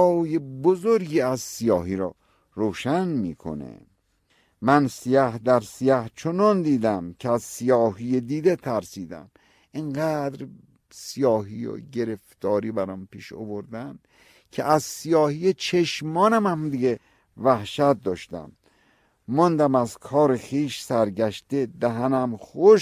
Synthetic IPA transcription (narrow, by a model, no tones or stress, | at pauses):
ɒːjebozoɾɡiːæzsijɒːɦiɾɒː | ɾoːʃænmiːkʰo̰nḛ | mænsijæhd̪æɾsijæht͡ʃʰonɒnd̪iːd̪æmcʰeæzsijɒːɦijed̪iːd̪et̪ʰæɾsiːd̪æ̰m | ʔiɴɢæd̪ɾ | sijɒːɦijo̰ɟe̞ɾeft̪ɒːɾiːbæɾɒːmpiːʃo̰voɾd̪æm | kʰeʔæzsijɒːhijet͡ʃʰeʃmɒːnæmæmd̪iɡe | væhʃæt̪̚d̪ɒːʃt̪æ̰mː | ɒnd̪æmæzkʰɒːɾexiːʃsæɾɟæʃt̪ed̪æɦænæmχoʃ